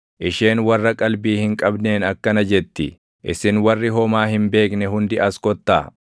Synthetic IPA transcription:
ʔɪʃe̞ːnwɐrːɐkʼɐlbiːhɪŋkʼɐbneːnɐkːɐnɐd͡ʒɛt̪ːɪ | ʔɪsɪnwɐrːɪɦɔmaːhɪmbe̞ːknɛɦʊnd̪ɪʔɐskɔt̪ːa̰ː

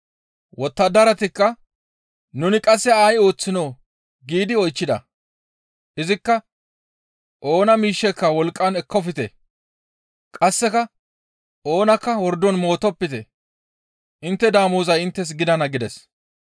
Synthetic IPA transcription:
wɔt̪ːɐd̪ɐɾɐt̪ɪkːɐ | nʊnɪkʼɐsːɛaːjo̞ːt͡sːɪnoː | ɡiːd̪ɪɔjt͡ʃːɪd̪ɐ̰ | ʔɪzɪkːɐ | ʔo̞ːnɐmiːʃːɛkːɐwɔlkʼːɐnɛkʰːɔfɪt̪ɛ | kʼɐsːɛkɐ | ʔo̞ːnɐkːɐwɔɾd̪ɔnmo̞ːt̪ɔpːɪt̪ɛ̰ | ʔɪnt̪ːɛd̪aːmuːzɐjɪnt̪ːɛs̬ɡɪd̪ɐnɐɡɪd̪ɛs

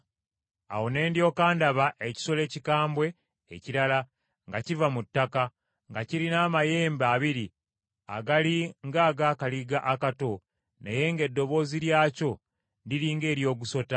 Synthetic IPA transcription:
a̰wo̞ne̞ːndjo̞ːkaːndaβaʔe̞ci̥so̞le̞ːcikaːmbwe̞̰ː | ciɾala | ŋɡacivamutːaka | ŋɡaciɾinaːmaje̞ːmbaːβiɾi | a̰ɡaliŋɡaːɡaːkaliɡaʔakato̞ | neje̞ŋɡe̞dːo̞βo̞ːziɾjaːco̞ | ndiɾiːŋɡe̞ːɾjo̞ːɡuso̞ta

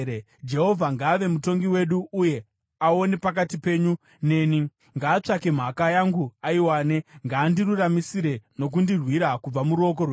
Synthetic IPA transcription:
d͡ʒe̞ɦo̞vʱaŋɡaːʋe̞muto̞ŋɡiwe̞ɗuːje̞ | ao̞ne̞pakatipe̞ːɲu | ne̞ːni | ŋɡaːt͡ʂakem̤akajaŋɡuaiwaːne̞ŋɡaːndiruramisiɾe̞no̞k̬undirwiɾakub͡vamuɾo̞k̬orwe

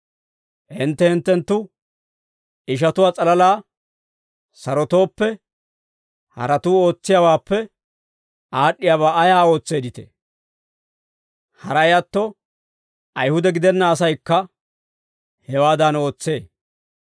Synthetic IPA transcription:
ʔɪnt̪ːɛhɪnt̪ːɛnt̪ːʊ | ɪʃ̬ɐt̪ʊwaːt͡sʼɐlɐlaː | sɐɾɔt̪o̞ːpːɛ | hɐ̰ɾɐt̪uːo̞ːt͡sːɪjawaːpːɛ | aːɗːɪjaːβaːɐjaːo̞ːt͡sːe̞ːd̪ɪt̪ḛ | hɐɾɐjɐt̪ːɔ | ɐjhʊd̪ɛɡɪd̪ɛnːɐːs̬ɐjkːɐ | hɛwaːd̪ano̞ːt͡sːe̞ː

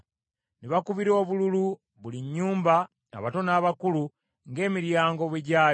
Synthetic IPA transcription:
neβakuβiɾo̞ːβululu | βuliɲːuːmba | a̰βato̞naːβakulu | ŋɡe̞ːmiɾjaːŋɡo̞βweɟaː

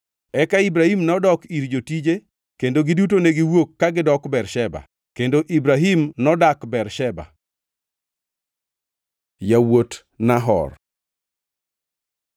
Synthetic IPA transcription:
ɛkaibɾahimnɔdɔkiɾd͡ʒotid͡ʒe | kendoɡidut̬oneɡɪwokːaɡɪdɔkbɛrʃɛba̰ | kendoʔibɾaɦimnɔdakbɛrʃɛba̰ | jawot | naɦɔ̰r

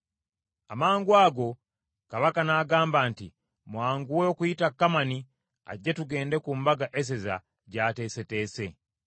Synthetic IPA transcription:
amaːŋɡwaːɡo̞ | kaβakanaɡaːmbaːntḭ | mwaːŋɡuweokujitakːamani | a̰ɟːetuɡe̞ːnde̞kumbaɡaʔes̬e̞za̰ | ɟate̞se̞te̞ːse̞

